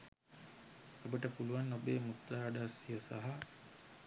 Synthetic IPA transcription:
ɐbəʈəpuluʋanːobeːmut̪ɾaːɖaːsijɐsa̰ɦɐ

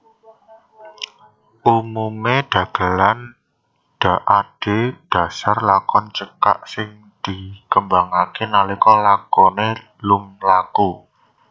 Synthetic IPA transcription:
ʔumumeɖ̪̥ä̤ɡ̥ə̤lan | ɖ̥a̤ʔaɖ̥e̤ɖ̥a̤sarlakɔnt͡ʃəka̰ʔsɪŋ | d̪̥i̤kəmbaŋakɪnalikɔlakɔne | lumlaku

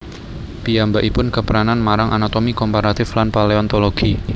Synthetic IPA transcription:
piambaʔipʊnkəpəɾananmaɾaŋʔanat̪omikɔmpaɾat̪ɪflanpaleɔnt̪oloɡ̥i

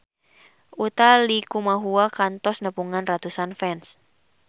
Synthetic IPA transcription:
ʔut̪alikumaɦuakant̪ɔsnəpuŋanrat̪usanfɛns

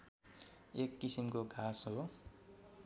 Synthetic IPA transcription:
ekːisimkoɡʱasɦo

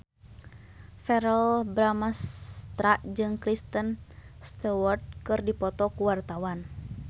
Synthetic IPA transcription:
fɛɾəlbɾamast̪ɾaʔd͡ʒɨŋkɾist̪ənst̪ɛwɔrd̪̚kɨrdipɔt̪ɔkuwart̪awan

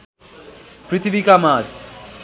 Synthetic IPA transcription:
pɾɪt̪ʰʋikamaːd͡ʒ

